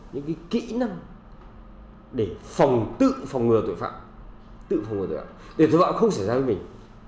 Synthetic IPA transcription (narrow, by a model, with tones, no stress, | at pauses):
ɲɨ̰˧˥ŋkaː˨˦jkḭ˧˥na˧ŋ | ɗe˧˩fa˨˩wŋ͡mt̪ɨ̰˧˨fa˨˩wŋ͡mŋɨ˨˩ət̪o̰˧˨jfa̰ː˧˨m | t̪ɨ̰˧˨fa˨˩wŋ͡mŋɨ˨˩t̪ːfa̰ː˧˨mt̪ɗe˧˩t̪o˨˧˨fa̰ː˧˨mxə˧wŋ͡ms̬a˧˩jzaː˧və˨˦jmï˨˩ŋ̟